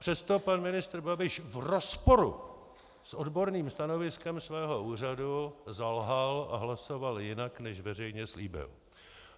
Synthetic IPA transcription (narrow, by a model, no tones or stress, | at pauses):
pr̥ɛst̪o̞panmɪnɪst̪r̩babɪʃvro̞spo̞ɾṵ | sʔo̞dbo̞ɾniːmst̪ano̞vɪskɛmsvɛːɦo̞ʔuːr̝aduzalɦala̰ɦlaso̞valjɪnaknɛʃvɛrɛjɲɛsliːbɪ̰l